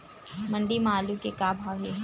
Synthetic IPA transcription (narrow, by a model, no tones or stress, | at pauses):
mɐɳɖimaːlukekaːbʱaːʋeɦ